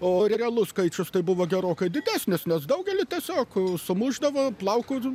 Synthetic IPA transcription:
oːɾʲɛɾʲɛɐlˠʊskɐɪt͡ʃʲʊst̪ɐɪbʊʋoːɡʲɛɾoːkɐɪd̪ʲɪd̪ʲæːsʲnʲɪsnʲɛsd̪ɐʊɡʲɛlʲɪt̪ʲiɛsʲoːksʊmʊʒd̪ɐʋoːplˠɐʊkʊ

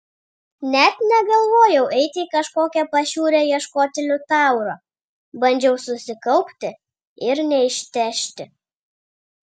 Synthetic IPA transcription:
nʲɛt̪nʲɛɡɐlˠʋoːjɛʊʔɛɪt̪ʲɪiːkɐʃkoːkʲɛpɐʃʲuːɾʲɛjiɛʃkoːt̪ʲɪlʲʊt̪ɑˑʊɾoː | bɐnʲd͡ʒʲɛʊsʊsʲɪkɐʊpʲt̪ʲɪ | ɪɾnʲɛɪʃʲt̪ʲæːʃʲt̪ʲɪ

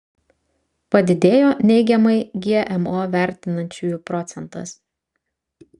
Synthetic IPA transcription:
pɐd̪ʲɪd̪ʲeːjoːnʲɛɪɡʲɛmɐɪɡʲiɛʔɛmoːʋʲæˑɾʲt̪ʲɪnɐnʲt͡ʃʲuːjupɾɔt̪sʲɛnt̪ɐ̰s

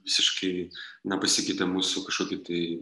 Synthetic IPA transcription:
ʋʲɪsʲɪʃkɐɪnɐpɐsʲɪkʲɐɪt̪ʲɛmuːsʊkɐʃkoːkʲɪt̪ɐɪ

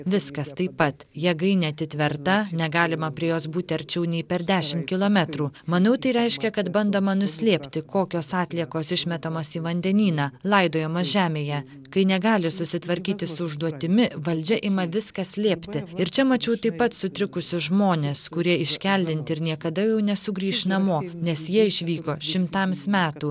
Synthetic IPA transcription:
ʋʲɪskɐst̪ɐɪpːɐt̪jɛːɡɐɪnʲeɐt̪ʲɪt̪ʲʋʲɛɾt̪ɐnʲɛɡɑːlʲɪmɐpʲɾʲiɛjoːsbuːt̪ʲɪɐɾʲt͡ʃʲɛʊnʲɛɪpʲɛɾd̪ʲæːʃʲɪmt̪̚kʲɪlˠoːmʲɛt̪ɾuːmɐnɐʊt̪ɐɪɾʲɛɪʃʲkʲɛkɐt̪bɐnd̪oːmɐnʊsʲlʲeːpʲt̪ʲɪkoːkʲoːsɑːt̪ʲlʲiɛkoːsɪʃʲmʲɛt̪ɐmoːsiːʋɐnʲd̪ʲɛnʲiːnɑːlˠɐɪd̪oːjɛmɐʒʲæːmʲeːjɛ | kɐɪnʲɛɡɑːlʲɪsʊsʲɪt̪ʋɐɾʲkʲiːt̪ʲɪsʊʊʒd̪uɔt̪ʲɪmʲɪʋɐlʲd͡ʒʲɛʔɪmɐʋʲɪskɐsʲlʲeːpʲt̪ʲɪɪɾt͡ʃʲɛmɐt͡ʃʲɛʊt̪ɐɪpɐt̪sʊt̪ʲɾʲɪkʊsʲʊʒmoːnʲeːskʊɾʲiɛɪʃʲkʲælʲd̪ʲɪnʲt̪ʲɪɪɾnʲiɛkɐd̪ɐjɛʊnʲɛsʊɡɾʲiːʃnɐmoːnʲɛsjiɛɪʃʲʋʲiːkoːʃʲɪmt̪ɐmsmʲæːt̪uː

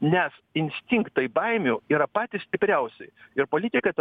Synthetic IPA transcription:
nʲɛsɪnʲsʲt̪ʲɪŋkt̪ɐɪbɐɪmʲuːiːɾɐpɑːt̪ʲɪssʲt̪ʲɪpʲɾʲɛʊsʲɛɪɪɾpoːlʲɪt̪ʲɪkɐt̪

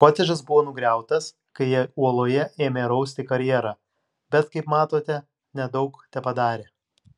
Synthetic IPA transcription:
poːt̪ʲeʒɐsbʊʋoːnʊɡɾʲæˑʊt̪ɐs | kɐɪjɛuɔlˠoːjɛʔeːmʲeːɾɐʊsʲt̪ʲɪkɐɾʲjɛːɾɑː | bʲɛt̪kɐɪpmɑːt̪oːt̪ʲɛ | nʲɛd̪ɒʊkt̪ʲɛpɐd̪ɑːɾʲeː

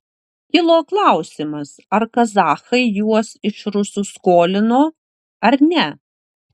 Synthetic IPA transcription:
kʲɪlˠoːklˠɑˑʊsʲɪmɐsɐɾkɐzɑːxɐɪjuɔsɪʃɾʊsʊskoːlʲɪnoː | ɐɾnʲɛ

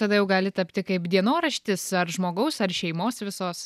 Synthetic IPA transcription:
t̪ɐd̪ɐjɛʊɡɑːlʲɪt̪ɐpʲt̪ʲɪkɐɪpd̪ʲiɛnoːɾɐʃʲt̪ʲɪsɐrʒmoːɡɐʊsɐrʃʲɛɪmoːsʋʲɪsoːs

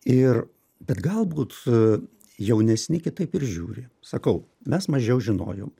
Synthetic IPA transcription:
ɪr | bʲɛt̪ɡɐlˠbuːt̪ | jɛʊnʲɛsʲnʲɪkʲɪt̪ɐɪpɪɾʒʲuːɾʲɪ | sɐkɐʊ | mʲɛsmɐʒʲɛʊʒʲɪno̰ːjo̰ːm

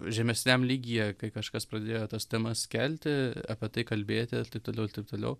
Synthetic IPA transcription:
ʒʲɛmʲɛsʲnʲɛmlʲiːɡʲɪjɛkɐɪkɐʃkɐspɾɐd̪ʲeːjoːt̪ɐst̪ʲɛmɐskʲɛlʲt̪ʲɪɐ̰pʲɛt̪ɐɪkɐlʲbʲeːt̪ʲɪt̪ɐɪp̚t̪oːlʲɛʊɪɾt̪ɐɪp̚t̪oːlʲɛ̰ʊ

